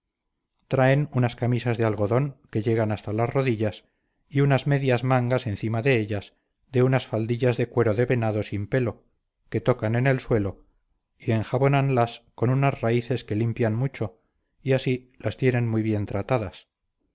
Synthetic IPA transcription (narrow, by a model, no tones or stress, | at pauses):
t̪ɾae̞nunaskamisazðealɣo̞ðo̞ŋke̞ʎe̞ɣ̞anast̪alasro̞ðiʎas | iunazme̞ðjazmaŋɡase̞nθimaðe̞eʎas | d̪e̞unasfald̪iʎazðe̞kwe̞ɾoðe̞βe̞naðo̞simpe̞lo̞ | ke̞t̪o̞kane̞ne̞lswe̞lo | ie̞ŋxaβo̞nanlasko̞nunazraiθe̞ske̞limpjanmut͡ʃo̞ | iasi | last̪jene̞nmujβje̞nt̪ɾat̪aðas